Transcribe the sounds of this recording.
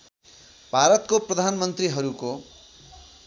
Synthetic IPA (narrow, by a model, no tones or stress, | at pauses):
bʱaɾʌt̪̚koprʌd̪ʱanmʌnt̪riɦʌɾuko